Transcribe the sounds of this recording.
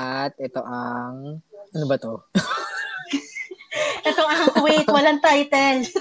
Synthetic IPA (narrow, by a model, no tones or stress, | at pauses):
ɐt̪̚ʔɛt̪o̞ʔɐŋʔɐnobɐt̪o̞ | ʔɛt̪oʔɐŋwejt̪̚wɐlaŋt̪ajt̪ɛl